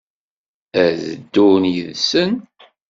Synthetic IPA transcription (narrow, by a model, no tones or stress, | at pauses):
æzəd̪ːʊnjəðsən